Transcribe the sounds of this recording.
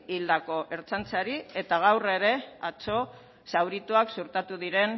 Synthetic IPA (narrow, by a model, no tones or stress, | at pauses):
ild̪ako̞ʔe̞ɾt͡sant͡saɾie̞t̪aɣ̞awre̞ɾe̞at͡so̞ | sawɾit̪uaksuɾt̪at̪uðiɾe̞n